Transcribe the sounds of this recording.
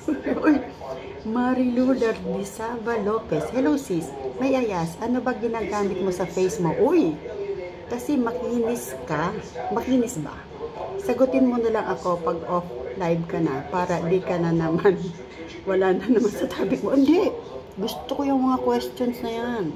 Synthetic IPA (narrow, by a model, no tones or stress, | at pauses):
oj | maɾiluːlɐɾlɪsavɐlo̞ːpɛshɛlowsismɐjʔɐjasʔɐno̞bɐɡɪnaːɡaːmɪt̪̚mo̞sɐfejsmo̞ʔoj | kɐsɛmɐkiːnɪskɐmɐkiːnɪsbɐ̰ | sɐɡʊt̪ɪnmonɐlɐŋʔɐko̞pɐɡ̚ʔoflajbkɐnɐ̰paːɾɐd̪ikɐnɐnɐman | wɐlaːnɐnɐmansɐt̪ʰaːbɪɡ̚moʔɐnd̪ɛ | ɡʊst̪okojʊŋmɐŋakwɛst̪jonsnɐjan